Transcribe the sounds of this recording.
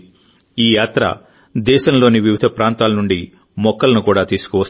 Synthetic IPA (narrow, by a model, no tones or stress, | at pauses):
iːjaːt̪ɾɐ̰ | d̪ɛːʃɐmlo̞ːniʋiʋid̪ʱɐpɾaːnt̪aːlɐnuɳɖi | mɔkːɐlɐnukuːɽaːt̪iːsu̥kuʋɐs